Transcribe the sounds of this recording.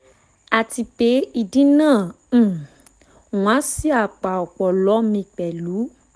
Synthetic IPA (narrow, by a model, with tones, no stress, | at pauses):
a˨ti˧pe˨˦i˨dĩ˦nãː˦˨˦ | w̃ã˨˦si˦a˨k͡pa˨ɔ˨k͡pɔ˨lɔ˨˦mĩ˧k͡pɛ˨lu˨˦